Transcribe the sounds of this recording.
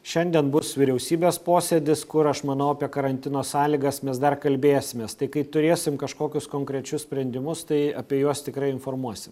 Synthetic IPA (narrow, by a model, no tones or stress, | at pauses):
ʃʲɛnʲd̪ʲiɛnbʊsʋʲɪɾʲɛʊsʲiːbʲeːspoːsʲeːd̪ʲɪskʊɾɐʃmɐnɐʊɐpʲiɛkɐɾɐnʲt̪ʲɪnoːsɑːlʲiɡɐsmʲɛsd̪ɐrkɐlʲbʲeːsʲɪmʲeːst̪ɐɪkɐɪt̪ʊɾʲeːsʲɪmkɐʃkoːkʲʊskoːŋkɾʲɛt͡ʃʲʊsʲsʲpʲɾʲɛnʲd̪ʲɪmʊst̪ɐɪɐpʲiɛjuɔst̪ʲɪkɾɐɪɪnfoːrmuɔsʲɪm